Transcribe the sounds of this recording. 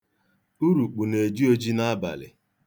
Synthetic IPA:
u˦ɾu˨k͡pu˨ne˨d͡ʒi˦o˦d͡ʒi˦na˦ba̰˨lɪ̰˨

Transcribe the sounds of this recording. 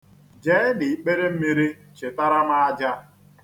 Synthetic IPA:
d͡ʒe˦dɪ˨k͡pe˦ɾe˦m̩˦mi˦ɾi˦ | t͡ʃɪ˨ta˦ɾa˦ma˦a˦d͡ʒa˦

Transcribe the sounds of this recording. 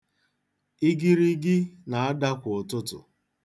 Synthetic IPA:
i˦ɡi˦ɾi˦ɡɪ˦na˨a˦da˦kʷʊ˨ʊ˨tʊ˦tʊ̰˨

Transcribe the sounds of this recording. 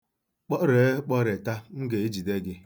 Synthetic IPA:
k͡pɔ˦ɾe˨˦k͡pɔ˦ɾe˨ta˦m̩˦ɡe˨i˦d͡ʒi˨de˦ɡɪ˦

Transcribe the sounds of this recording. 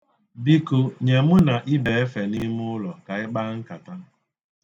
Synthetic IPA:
bi˦ko˨ɲe˨mʊ˦na˨ʔɪ˦be˨e˦fe˨ni˦m˦ʊ˦lɔ˨ka˨ɪ˦k͡pa˦ŋ̩˦ka˨ta˦

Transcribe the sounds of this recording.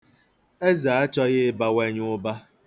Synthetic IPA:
e˦za˨a˦t͡ʃɔ˦ɣɪ˦ba˨we˦ɲʊ˦ba˦

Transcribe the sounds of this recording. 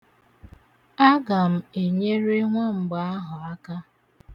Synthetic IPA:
a˦ɡa˨m̩˦˨e˨ɲe˦ɾe˦ŋʷa˦m̩˨ɡ͡ba˨a˦ɦʊ˨a˦ka˦

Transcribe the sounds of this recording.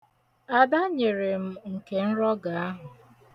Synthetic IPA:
a˨da˦ɲe˨ɾe˨m̩˦ŋ̩˨ke˨n̩˦ɾɔ˦ɡa˨a˦ɦʊ˨

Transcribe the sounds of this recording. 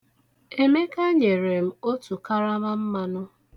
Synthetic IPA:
e˦me˦ka˦ɲe˨ɾe˨m̩˦˨o˦tu˨ka˦ɾa˦ma˦m̩˦ma˦nʊ˦

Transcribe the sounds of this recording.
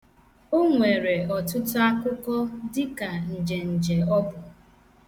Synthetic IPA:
o˦ŋʷe˨ɾe˨ɔ˨tʊ˦tʊ˦a˦kʊ˦kɔ˦dɪ˦ka˨n̩˨d͡ʒe˨n̩˨d͡ʒe˨ɔ˦bʊ˨

